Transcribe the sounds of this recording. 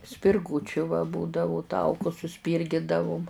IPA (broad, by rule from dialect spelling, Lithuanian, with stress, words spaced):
sʲpʲɪrˈɡuːt͡ʃʲʊ ʋɐ ˈbuːdɐʋʊ ˈtɐʊkʊs sʊˈsʲpʲiːrʲɡʲɪdɐʋʊm